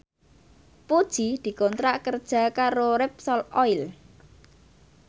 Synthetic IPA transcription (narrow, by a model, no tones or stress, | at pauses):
pud̥ʒ̥i̤d̪̥i̤kɔnt̪ɾaʔkərd̥ʒ̥a̤kaɾoɾɛp̚sɔlɔɪl